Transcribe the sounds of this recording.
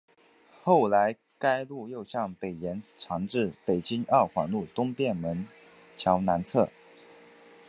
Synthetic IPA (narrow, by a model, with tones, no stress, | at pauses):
xo˥˩ʊla˧˥ɪ | ka˥ɪlu˥˧jo˥˧ʊɕjɑ˥˩ŋpe˨˩ɪjɛ˧˥nʈ͡ʂʰɑ˧˥ŋʈ͡ʂɻ̩˥˩pe˨˩ɪt͡ɕi˥ŋɑ˥˩xwa˨˥nlu˥˩t̪ʊ˥ŋpjɛ˥˩nmə˧˥n | t͡ɕʰjɑ˧˥ʊna˧˥nt͡sʰɤ˥˩